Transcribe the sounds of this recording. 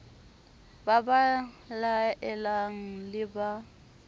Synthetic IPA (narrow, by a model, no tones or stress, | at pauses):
baba | laɛlaŋ̩lɪba